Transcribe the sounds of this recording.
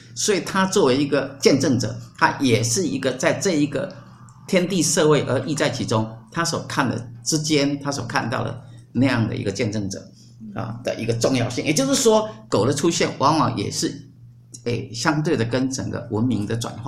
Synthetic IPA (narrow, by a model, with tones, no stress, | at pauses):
swɔ˧˥i˨˩t̪ʰa˥t͡swɔ˥˩we˧˥ɪi˧˥ɡə˧t͡ɕjɛ˥˧nʈ͡ʂɤ˥˩ŋʈ͡ʂɤ̰˨˩˦t̪ʰa˦˥jɛ˨˩ʂɻ̩˥˩ḭ˧˥ɡə˧t͡sa˥˧ɪʈ͡ʂɤ˥˩i˧˥ɡə̰˨˩ | t̪ʰjɛ˥nt̪i˥˧ʂɤ˥˧we˥˩ɪʔə˧˥ʔi˥˧t͡sa˥˩ɪt͡ɕʰi˧˥ʈ͡ʂʊ˥ŋt̪ʰa˥swɔ˨˩kʰa˥˩nd̪ə̰˩ʈ͡ʂɻ̩˥t͡ɕjɛ˥nt̪ʰa˥swɔ̰˨˩kʰa˥˧nt̪ɑ˥˩ʊd̪ə̰˩ | na˥˧jɑ˥˩ŋd̪ə̰˩ḭ˧˥ɡə˧t͡ɕjɛ˥˧nʈ͡ʂɤ˥˩ŋʈ͡ʂɤ̰˨˩˦ | ɐ̰˨˩d̪̥ə̰˨˩ʔi˧˥ɡə˧ʈ͡ʂʊ˥˧ŋjɑ˥˧ʊɕi˥˩ŋjɛ˨˩t͡ɕjo˥˧ʊʂɻ̩˥˩ʂwɔ˥ko˨˩ʊlə˦ʈ͡ʂʰu˥ɕjɛ˥˩nwɑ˧˥ŋwɑ̰˧˥ŋjʔɛ̰˨˩ʂɻ̩˥˩ | e˥˩ɕjɑ˥ŋt̪we˥˩ɪd̪ə˩kə˥nʈ͡ʂə˨˩ŋɡə̰˧˦wʔə˧˥nmi˧˥ŋd̪ə˧ʈ͡ʂwa̰˨˩nxwa̰˥˩